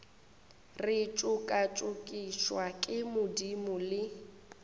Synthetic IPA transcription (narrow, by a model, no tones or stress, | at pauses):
rɪt͡ʃʼʊkʼat͡ʃʼʊkʼiʃwakʼɪmʊdimʊlɪ